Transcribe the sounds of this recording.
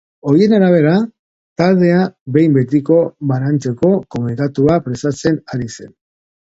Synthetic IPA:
o̞ɾie̞naɾaβ̞e̞ɾa | t̪alðe̞abe̞jmbe̞t̪̬iko̞βaɾant͡se̞ko̞ko̞mnik̪at̪uapɾe̞st̪at͡se̞naɾise̞n

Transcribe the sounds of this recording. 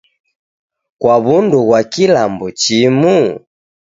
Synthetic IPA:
kwaβunduɣwakilambɔt͡ʃimu

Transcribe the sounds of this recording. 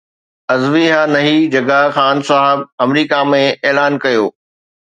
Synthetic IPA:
ɐzʋiɦanɐɦid͡ʑɐɡaxaːnsaːɦɪb̚ɐmɾiːkamẽʔeːlaːnkɐjoː

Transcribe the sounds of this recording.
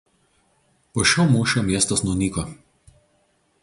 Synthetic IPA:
poːʃʲoʊmuːʃʲomʲiɛst̪osnuːnʲiːko

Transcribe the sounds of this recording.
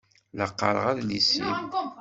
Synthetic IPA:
ləqːɑɾˤə̰ʁæðlisim

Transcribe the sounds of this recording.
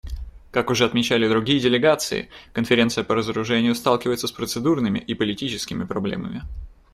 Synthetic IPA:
kakʊʐɛɐt̪mʲɪt͡ɕælʲɪd̪ɾʊɡʲijədʲɪlʲɪɡat̪sɨ̰ɪ̰kənfʲɪɾʲe̞nt̪sɨjəpəɾəzəɾʊʐɛnʲɪjʊst̪alˠkʲɪvəjɪt̪səspɾət̪sɨd̪urnɨmʲɪ̰ʔipəlʲɪtʲit͡ɕɪskʲɪmʲɪpɾɐblʲḛmə̰mʲɪ

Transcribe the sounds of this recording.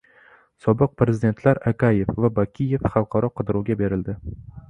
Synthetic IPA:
sɒbɨq̚pɾezɪd̪e̞nt̪ʰlaɾakʰʲaje̞fvabakʲʰije̞fχɑlˠqʰɑɾɒqʰɨd̪ɾɒɡʲabe̞ɾɪld̪ɪ

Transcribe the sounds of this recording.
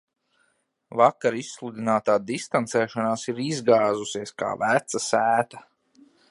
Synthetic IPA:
vakːaɾisːlˠud̪ʲinaːt̪aːd̪ist̪ant̪sɛːʃanaːsiɾizɡaːzusiɛska̰ːvæt̪sasæːt̪a

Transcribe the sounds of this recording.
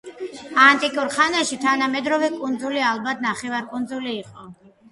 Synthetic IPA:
ant̪ʼikʼuɾχanɛʃit̪ʰanamɛd̪ɾɔvɛkʼund̪zulialbat̪ʰnaχɛvaɾkʼund̪zuliːqʼɔ

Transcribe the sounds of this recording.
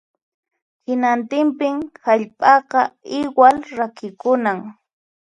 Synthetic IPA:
hɪnant̪ɪmpɪŋhaʎpʼɑqɑɪwalɾakɪkʊnaŋ

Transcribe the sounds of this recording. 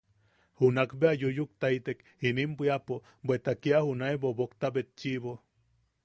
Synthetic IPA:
hunakbeajujuk̚t̪ait̪ek | inimbʷiapo | bwet̪akiahunaebobokt̪abet̪̚t͡ʃiβo

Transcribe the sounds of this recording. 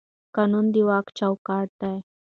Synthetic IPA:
kanund̪iʋakt͡ɕawkaɽt̪aj

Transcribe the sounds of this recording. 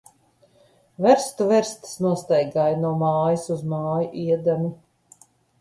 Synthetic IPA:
vɛɾst̪uvɛɾst̪snuɔst̪ajɡaːjnuɔmaːjisuzmaːjuʔiɛd̪amʲi

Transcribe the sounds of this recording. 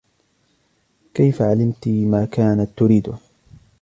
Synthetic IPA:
kajfaʕalɪmt̪imaːkaːnat̪ːʊɾiːd̪ʊ

